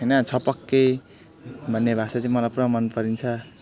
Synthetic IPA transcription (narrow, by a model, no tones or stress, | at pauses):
ɦʌjnʌt͡sʰʌpʌkːe | bʱʌnːebʱasat͡sʌĩmʌlajpuɾamʌnpʌɾint͡sʰʌ